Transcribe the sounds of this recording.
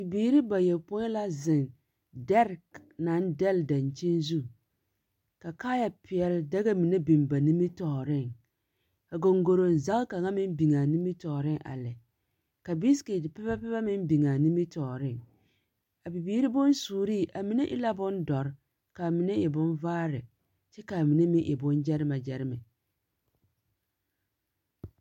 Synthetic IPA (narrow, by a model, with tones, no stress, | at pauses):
bi˨biː˨ɾi˦ba˨jɛ˨pʊ˦ɲ˦la˦zɪ˨n | dɛ˦ɾkna˨˦ndɛ˦lda˨nt͡ʃi˦nzu˦ | ka˨kaː˦ja˨pɪ˨ɛ˨lda˦ɡa˦mi˨ne˦bi˨mba˨ni˦mi˦tɔ˨ɾɪ˦˨ŋ | a˨ɡo˨ŋɡo˨ɾo˨n˨za˦ɣka˨ŋa˦mɪ˦m˦bi˨ŋa˨ni˦mi˦tɔː˨ɾɪ˦ŋʔa̰˨lɛ˨ | ka˨bi˦ski˨tpɛ˦ba˦pɛ˦ba˦mɪ˦m˦bi˨ŋa˨ni˦mi˦tɔ˨ɾɪ˦ŋ | a˨bi˨biː˦ɾi˦bʊ˦n˦suː˨ɾi˦˨ʔa˨mi˦ne˦ʔɪ̰˦la˦bʊ˦ndɔ˨ɾ | ka˨mi˨˦ne˦jɛ˨bʊ˦nvaː˦ɾɪ˨ | t͡ʃɛ˦ka˨mi˨ne˦mɪ˦ʔɛ̰˨bʊ˦nd͡ʒɛ˦ɾɪ˦ma˨d͡ʒɛ˦ɾɪ˦mɛ˨